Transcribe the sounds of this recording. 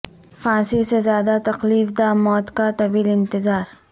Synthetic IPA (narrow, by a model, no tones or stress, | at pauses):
fãːsisezaːd̪at̪ɐqliːfd̪aːmɔːt̪kat̪ɐbilɪnt̪ɪzaːɾ